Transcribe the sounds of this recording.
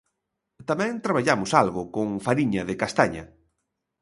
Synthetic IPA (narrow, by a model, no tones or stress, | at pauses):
t̪amɛ̃ŋt̪ɾaβ̞aʎamʊsalɣʊkoŋfaɾiɲɐðɪkast̪aɲɐ̰